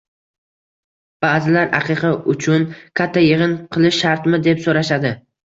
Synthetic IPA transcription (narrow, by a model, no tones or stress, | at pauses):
b̥aːzɪlaɾa̰qʰɨqʰɑʔʊt͡ʃʰʊnkʲʰat̪ʰːajɪʁɨnqʰɨlˠɪʃːaɾt̪mɪd̪epsoɾaʃad̪ɪ